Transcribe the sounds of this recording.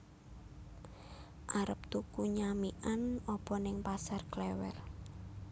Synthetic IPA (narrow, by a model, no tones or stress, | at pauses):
ʔaɾəp̚t̪ukuɲamiʔanɔpɔnɪŋpasarklɛwɛ̰r